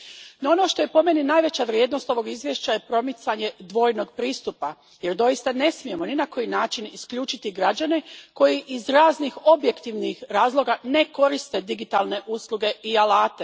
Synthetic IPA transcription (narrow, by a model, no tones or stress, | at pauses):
noo̞no̞ʃt̪o̞je̞po̞meninaːjʋe̞t͡ɕaʋɾjeːd̪no̞st̪o̞ʋo̞ɡizʋje̞ʃt͡ɕaje̞pɾo̞mit̪saɲe̞d̪ʋo̞jno̞ɡpɾiːst̪upa | je̞ɾd̪o̞jist̪ane̞smije̞mo̞ninako̞jinaːt͡ʃiniskʎuːt͡ʃit̪iɡɾad͡ʑaneko̞jiʔizɾaːznixo̞bje̞kt̪iʋnixɾaːzlˠo̞ɡane̞ko̞ɾist̪e̞d̪iɡit̪alˠne̞ʔuslˠuɡe̞ʔialaːt̪e̞